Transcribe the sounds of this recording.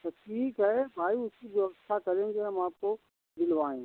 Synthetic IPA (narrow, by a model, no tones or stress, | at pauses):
t̪ɐʈʰiːkɦaɦebʱaːiʊsibiɐɣsakɐɾẽd͡ʒemaːp̚ko | d̪ɪlʋaːĩː